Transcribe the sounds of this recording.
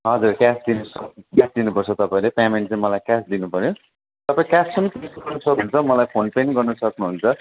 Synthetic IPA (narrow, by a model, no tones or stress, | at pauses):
ɦʌd͡zurkasd̪inusʌkkasd̪inupʌrt͡sʰʌt̪ʌpãĩlepameɳʈt͡sãĩmʌlajkasd̪inupʌɾjo | t̪ʌpãĩkassʌmʌk̪esikʌrnʌsʰʌkɦunt͡sʰʌmʌlajpʰonpeniɡʌrnʌsʌknuɦunt͡sʰʌ